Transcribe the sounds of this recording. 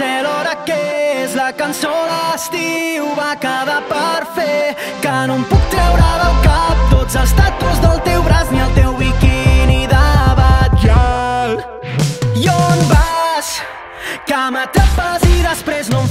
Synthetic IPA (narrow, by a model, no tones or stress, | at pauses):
ɛlɔɾəkeezləkɐnsoləst̪iwβakəðapəɾfe | kənompuk̚t̪ɾɛwɾəðəlˠkap̚t̪ozəlst̪at̪uzðəlˠt̪ewβɾazniəlˠt̪ewβikiniðəβəʒal | ionbas | kəmət̪əpaziðəspɾeznom